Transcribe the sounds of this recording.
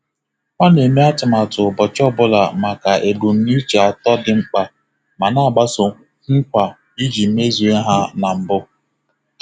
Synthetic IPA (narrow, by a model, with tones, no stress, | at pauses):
a˦ne˨me˦a˦tʊ˨ma˨tʊ˨bɔ˨t͡ʃɔ˦bʊ˦la˨ma˨ka˨ʔe˨ɡu˨n̩˨˦ni˦t͡ʃe˨a˨tɔ˦dɪ˨ŋ͡m̩˦k͡pa˨ | ma˨na˦a˨ɡ͡ba˦sʊ˨ | ŋ̩˦kʷa˨ | i˦d͡ʒi˨˦me˦zi˨e˦ɦa˦na˨m̩˨bʊ˦